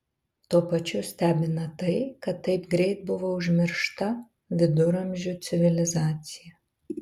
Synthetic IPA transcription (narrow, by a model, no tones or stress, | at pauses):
t̪uɔpɐt͡ʃʲʊsʲt̪ʲæːbʲɪnɐt̪ɐɪkɐt̪ːɐɪpɡɾʲɛɪt̪̚bʊʋoʊʒʲmʲɪɾʃt̪ɐ | ʋʲɪd̪ʊɾɐmʲʒʲʊt̪sʲɪʋʲɪlʲɪzɑːt̪sʲɪjɛ